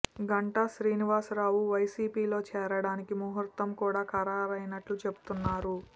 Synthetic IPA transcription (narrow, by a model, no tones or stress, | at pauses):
ɡɐɳʈaʃɾiːniʋaːsɾaːwuʋɐjsiːpiːlo̞ːt͡ʃɛːɾɐɽaːnikimuɦɐɾt̪ɐmkuːɽaːkɐɾaːɾɐjnɐʈlut͡ʃe̞bu̥t̪unːaːɾu